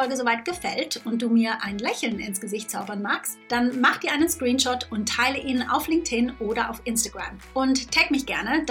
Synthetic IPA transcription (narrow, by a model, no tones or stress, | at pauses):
ɔlɡəzovaɪt̚ɡ̥əfɛltʊnt̚d̥uːmiːɐʔaɪnlɛçl̩nɪnsɡ̥əzɪçt̚t͡saʊbɐnmaːkstd̥anmaχəd̥iːɐʔaɪnənskʁ̥iːnʃɔtʊnttʰːaɪləʔiːnəna̰ʊflɪŋk̚tʰɪnʔoːdɐʔa̰ʊfʔɪnstaɡ̥ʁa̰mʔʊnttʰɛkmɪçɡ̥ɛɐnəd